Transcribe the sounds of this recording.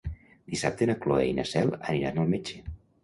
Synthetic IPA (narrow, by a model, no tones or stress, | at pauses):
d̪̥isap̚t̪enəkloḛjnə̰sɛlˠə̰niɾanəlˠmed͡ʒe